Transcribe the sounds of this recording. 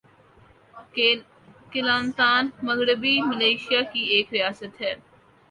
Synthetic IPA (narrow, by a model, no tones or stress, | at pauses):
kɪlaːnt̪aːnməɡɽəbiməleːʃijakieːkɾɪjaːsət̪ɦɛː